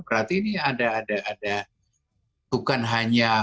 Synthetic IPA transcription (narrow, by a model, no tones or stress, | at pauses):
bəɾat̪iːniadaːdaːda | b̥ukanɦaɲa